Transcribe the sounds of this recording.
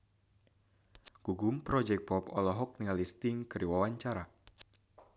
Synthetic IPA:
ɡ̥uɡʊmpɾɔd͡ʒɛk̚t̚pɔpɔ̰lɔɦɔk̚nialist̪ɪŋkəɾiwawaɲt͡ʃaɾa

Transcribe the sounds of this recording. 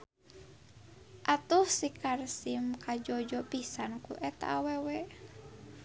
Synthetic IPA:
ʔat̪uhsikarsimkad͡ʒɔd͡ʒɔpisankṵʔɛt̪a̰ːwɛwɛ

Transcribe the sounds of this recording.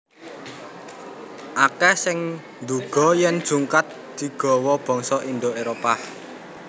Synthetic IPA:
ʔakɛsɪŋ | nd̪uɡ̥ɔ̤jɛnd̥ʒ̥uŋkat̪̚ | d̪̥i̤ɡ̥ɔ̤wɔb̥ɔ̤ŋsɔʔind̪oeɾopa

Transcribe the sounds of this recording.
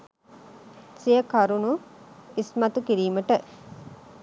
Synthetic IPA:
sijəkɐɾunuismɐt̪ukiɾiːməʈə

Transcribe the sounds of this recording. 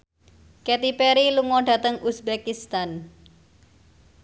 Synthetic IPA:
kɛt̪ipeɾiluŋɔɖ̥ä̤t̪əŋʔusbekist̪an

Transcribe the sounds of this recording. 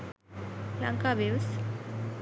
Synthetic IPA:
la̰ŋkabews

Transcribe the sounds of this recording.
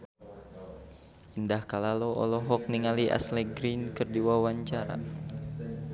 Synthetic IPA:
ʔindahkalaloʔɔ̰lɔɦɔk̚niŋaliʔa̰sleɡɾinkɨrdiwawaɲt͡ʃaɾa̰

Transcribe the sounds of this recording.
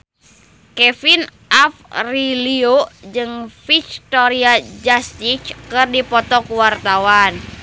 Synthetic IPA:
kɛfinʔafriliod͡ʒɨŋfik̚t̪oɾiad͡ʒast̪it͡ʃkɨrdipɔt̪ɔkuwart̪awan

